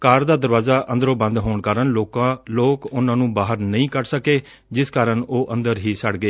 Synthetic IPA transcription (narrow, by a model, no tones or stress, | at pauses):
kaːɾd̪aːd̪əɾʋaːzaːʔə̃nd̪ɾõːbə̃nd̪ɦoːɳkaːɾənloːkãːloːkʊnãːnũːbaːɦəɾnəĩːkəɾsəkeː | d͡ʒɪskaːɾəɳoːʔə̃nd̪əɾɦiːsəɽɡeː